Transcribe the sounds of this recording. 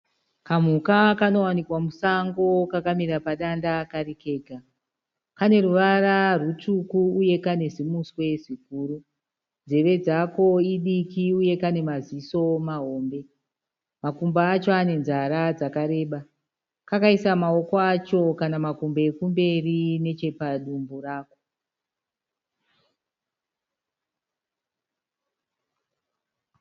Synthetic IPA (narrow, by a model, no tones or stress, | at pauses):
kam̤ukakano̞wanikwamusaŋɡo̞kakamiɾapaɗandakarike̞ːɡʱa | kane̞ruʋararutukuuje̞kane̞zimuswe̞ʐik̚uːru | nd͡ze̞ʋe̞d͡zako̞iɗikiuje̞kane̞maziso̞maɦo̞ːmbe̞ | makumbaːt͡ʃo̞ane̞nzaɾad͡zakaɾe̞ːɓa | kakaisamao̞koat͡ʃo̞kanamakumbeekumbe̞rine̞t͡ʃe̞paɗumburaːko̞